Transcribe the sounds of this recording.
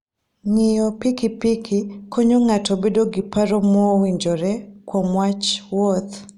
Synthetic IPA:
ŋɪjɔpikipikʰikoɲoŋatɔbedoɡɪpaɾɔmɔwiɲd͡ʒoɾɛkwomwat͡ʃwot̪

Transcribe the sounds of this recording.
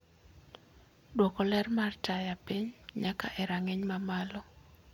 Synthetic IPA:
dwɔkɔlɛrmartajapiɲɲakaʔɛɾaŋeɲmamalɔ

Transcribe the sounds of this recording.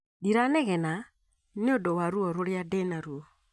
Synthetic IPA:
diɾanɛɣɛna | neodɔwaɾuɔɾoɾjadɛnaɾuɔ

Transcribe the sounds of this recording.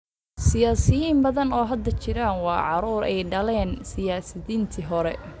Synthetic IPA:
sɪjaːsɪjiːmbɐðɐnɔːɦɐd̪ɐt͡ʃɪɾaːnwɑːʕɑɾuːɾɛ̰jɖɐlɛːnsɪjaːsɐðiːnt̪ʰiɦɔɾɛ

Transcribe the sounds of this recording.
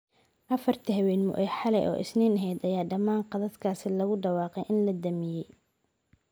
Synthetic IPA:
ʔɐfɐrt̪ʰiɦɛwɛːnmʊ̰ʔɛjħɑlɛjʔɔ̰ːʔɪ̰sniːnɐɦɛjd̪ɐjaːɖɐmaːnqɑðɐd̪kʰaːsɪlɐɣʊɖɑwɑːqɛjʔɪnlɐd̪ɐmɪjɛj

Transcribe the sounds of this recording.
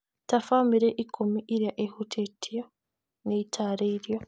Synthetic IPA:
tafamiɾeʔikʰomiʔiɾjaʔehutʰetʰijo | neitʰaɾeiɾjo

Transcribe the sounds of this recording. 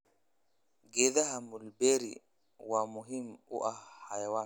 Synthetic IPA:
ɡedahamulbeɾḭ | wamuɦimṵʔahajawa

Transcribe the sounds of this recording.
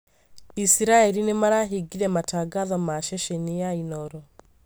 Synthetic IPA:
isiɾaɛɾinemaɾaːɦiɡiɾɛmataɡaðɔmaʃɛʃɛnijainɔɾɔ

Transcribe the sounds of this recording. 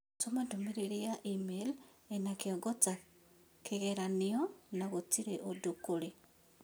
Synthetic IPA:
tomadumiɾeɾiaʔimel | enakjoɡota | keɣeɾaniɔnaɣotiɾeʔodokoɾe

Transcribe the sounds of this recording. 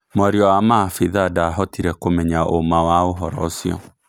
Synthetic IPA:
mɔɾiɔamafiðadaɦɔtiɾɛkomɛɲaʔomawaoɦɔɾɔ̰siɔ̰

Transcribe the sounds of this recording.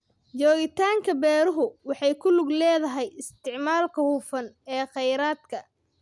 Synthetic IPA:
d͡ʒɔːɣɪt̪ʰaːŋkʰɐbɛːɾʊɦʊwɑħɑjkʰʊlʊɡlɛːðɐɦɛjɪst̪ʰɪʕmaːlkʰɐhʊːfɐnɛːqɛjɾaːd̪kʰɐ

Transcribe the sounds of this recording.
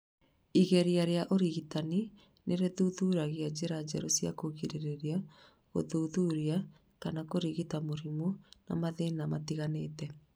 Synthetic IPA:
iɣɛɾiaɾeaʔoɾiɣitani | neɾeðuðuːɾaɣiad͡ʑeɾad͡ʑɛɾosiakoɣiɾeɾeɾia | ɣo̰ðuðuɾia | kanakoɾiɣitamoɾimona̰maðenamatiɣaneːtɛ

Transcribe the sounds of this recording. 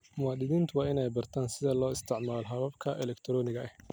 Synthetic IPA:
mʊwaːd̪ɪðiːnt̪ʰʊwɑːɪnɛjbɐrt̪ʰaːnsɪðɐlɔːɪst̪ʰɪʕmaːlɦɐβɐbkʰɐʔɛlɛkt̪ʰɾɔːnɪɣɐʔɛh

